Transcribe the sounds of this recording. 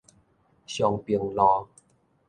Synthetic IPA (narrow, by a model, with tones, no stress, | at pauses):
ɕjɔ˨˧ŋpi˨˩əŋlɔ˧˦